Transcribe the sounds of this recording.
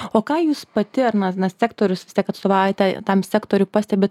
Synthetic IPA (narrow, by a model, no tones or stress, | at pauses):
oːkɑːjuːspɐt̪ʲɪɐrnɐnɐsʲæːkt̪oːɾʲʊsʋʲɪsʲt̪ʲiɛkɐt̪st̪oːʋɑːʊjɛt̪ʲɛt̪ɐmsʲæːkt̪oːɾʲʊpɑːsʲt̪ʲɛbʲeːt̪